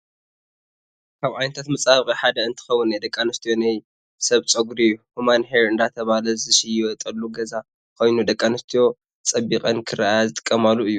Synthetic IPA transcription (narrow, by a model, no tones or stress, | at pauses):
kʰaβʕajnɐt̪ʰat̪mɐt͡sʼaβkʼiħad̪ɐɨnt̪ʰɨ̥xɐwːʊnːajd̪ɐkʼːanɐst̪ʰijo̞naj | sɐβt͡sʼɐɡuɾijːuhumanɦeɾɨnd̪at̪ʰɐβalɐzɨʃijɪwɔt̪ʼɐlːuɡɐza | kʰo̞jnud̪ɐkʼːanɨst̪ʰijo̞ | t͡sʼɐbːikʼɐnkʰɨɾajazɨt̪ʼɨ̥kʼːɐmalːuɨjːu